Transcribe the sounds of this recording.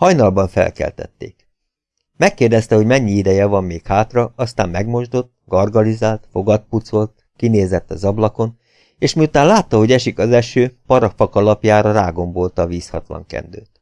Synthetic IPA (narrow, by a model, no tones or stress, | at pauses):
hɒjnɒlbɒɱfɛ̰lkɛ̰lt̪ɛ̰t̪ːḛːk | mɛkːeːrd̪ɛst̪ɛɦo̞ɟmɛɲːiid̪ɛjɛvɒmːeːkhaːt̪rɒɒst̪a̰ːmːɛɡmo̞ʒd̪o̞t̪ːɡɒrɡɒlizaːlt̪fo̞ɡɒt̪̚put̪so̞lt̪ | kineːzɛt̪ːɒzɒblɒko̞n | eːʃmiut̪aːnlaːt̪ːɒɦo̞ɟɛʃikɒzɛʃøːpɒɾɒkfɒkɒlɒpjaːɾɒɾaːɡo̞mbo̞lt̪ɒʋiːshɒ̰t̪lɒ̰ŋkɛ̰nd̪ø̰ːt̪